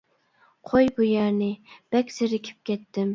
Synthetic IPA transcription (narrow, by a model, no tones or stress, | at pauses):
qʰojbujæɾnɪb̥ɛkʲz̥ɪɾɪkʲʰɪ̥p̚kʲʰɛt̪ʰːɪm